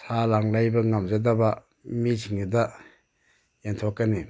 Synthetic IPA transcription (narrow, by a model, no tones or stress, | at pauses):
sʰalaŋlajbɐŋamzadaba | misʰiŋida | jentʰokːani